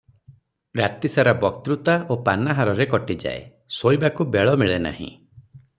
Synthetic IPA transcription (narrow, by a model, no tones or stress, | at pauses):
ɾat̪isaɾabɔk̚t̪ɾut̪aopanaɦaɾɔɾekɔʈid͡ʒa̰ḛ | sojbakubeɭɔmiɭena̰ɦḭ̃